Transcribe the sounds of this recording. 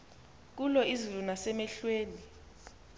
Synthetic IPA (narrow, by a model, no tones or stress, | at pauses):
k̬ulɔizulunasɛmɛɬweːni